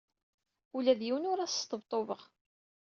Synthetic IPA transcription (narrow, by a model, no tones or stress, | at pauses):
ulæðjiwnʊɾæsst̪əbt̪ˤovəʁ